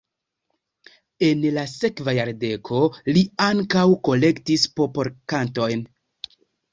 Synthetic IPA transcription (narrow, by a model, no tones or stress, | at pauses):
e̞nlase̞kvajaɾde̞kʰo̞liaŋkawko̞le̞ktispo̞po̞ɾkanto̞jn